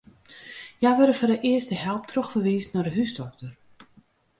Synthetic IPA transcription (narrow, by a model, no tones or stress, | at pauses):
jajʋøɾəfɔrəʔɪəstəhɛlˠp̚tʰroxfərʋiːstnadəɦysdɔk̚tər